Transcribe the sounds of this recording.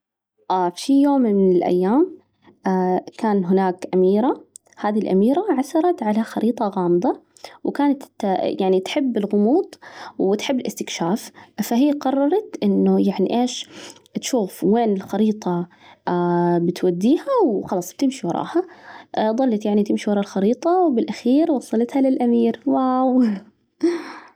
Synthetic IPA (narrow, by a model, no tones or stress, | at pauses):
ʔaːfijoːmmɪnɪlʔa̰jːaːm | akaːnɦɪnaːkʔamiːɾa | haːðilʔa̰miːɾaʕasɑɾˤɑt̪ʕalaxɑɾʔiːt̪ˤɑɣɑːmɨd̪ˤɑ | wkaːnat̪jaʕnit̪ħɪbːɪlɣʊmuːd̪ˤwɪt̪ħɪbːɪlʔɪst̪ɪkʃaːffaɦijːaqɑrˤːɑɾˤɑt̪ʔɪnːʊjaʕnḭʔeːʃt̪ʃuːfweːnɪlxɑɾiːt̪ˤɑ | bɪt̪wad̪ːiːhawxɑlɑːsˤb̥̚t̪ɪmʃiwɑɾˤɑ̰ːha | d̪ˤɑlːɑt̪jaʕnit̪ɪmʃiwɑɾˤɑːlxɑɾiːt̪ˤɑwbɪlʔaxiːɾwɑsˤːɑlɑt̪halɪlʔamiːɾwaw